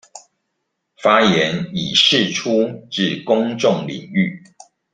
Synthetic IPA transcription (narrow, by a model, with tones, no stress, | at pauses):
fa˦jɛ˨˦ni˨˩ʂɻ̩˥˨ʈ͡ʂʰu˦ʈ͡ʂɻ̩˥˨kʊ˦ŋʈ͡ʂʊ˥˨ŋlḭ˨˩ŋy˥˨